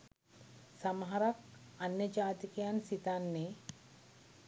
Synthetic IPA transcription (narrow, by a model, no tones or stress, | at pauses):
samɦaɾak̚anjɐd͡ʒaːt̪ikɐjansit̪anːe